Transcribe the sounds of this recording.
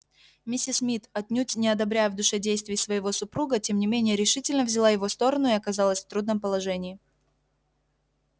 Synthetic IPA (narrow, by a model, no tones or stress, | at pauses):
mʲɪsʲːɪsmʲit̪ɐt̪̚ʲnʲutʲnʲɪɐd̪ɐbɾʲæjəvd̪ʊʂɛdʲejst̪vʲɪjsvəjɪvo̞sʊpɾuɡətʲe̞mnʲɪmʲenʲɪjəɾʲɪʂɨtʲɪlʲnəvzʲɪlˠajɪvost̪o̞ɾənʊɪɐkɐzɑlˠəsʲft̪ɾud̪nəmpəlˠɐʐɛnʲɪː